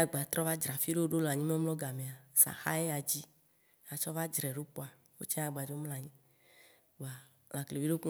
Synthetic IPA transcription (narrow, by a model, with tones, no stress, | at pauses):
a˦ɡ͡ba˨t̪ɾɔ˦va˦d͡ʒɾa˨fi˦ɖe˦wo˦ɖo˦la˨ɲĩ˦me˦lɔ˦ɡa˨me˨a˨sa̰˨xa˦e˦a˨d͡ʑi˦ | a˨t͡ʃɔ˦va˦d͡ʒɾɛ˨ɖo˦k͡po˦a˨ | wo̰˦t͡ʃɛ˦a˨ɡ͡ba˨d͡ʒo˦mla˨ɲĩ˦ | ɡ͡ba˨ | la˨kle˨vi˦ɖe˦ku˦